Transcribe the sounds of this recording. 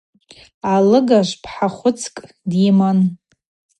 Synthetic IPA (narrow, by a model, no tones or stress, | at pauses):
alɨɡaʒʷpʰħaχʷʊt͡sʰkʼ | diman